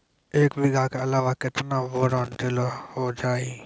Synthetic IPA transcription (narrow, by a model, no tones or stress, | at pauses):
eːkbʱɪɡakeɐlaːʋakɪt̪naʋoːɾɔːnʈɪloɦod͡ʒaːiː